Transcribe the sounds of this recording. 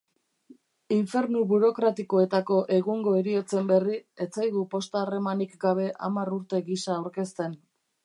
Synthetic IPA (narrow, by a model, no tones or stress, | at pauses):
iɱfe̞ɾnuβuɾo̞kɾat̪iko̞e̞t̪ako̞ʔe̞ɣuŋɡo̞eɾio̞t͡se̞mbe̞rie̞t͡sajðupo̞st̪aːre̞manikɡaβ̞e̞ʔa̰maruɾt̪e̞ɣisaːwɾke̞st̪e̞n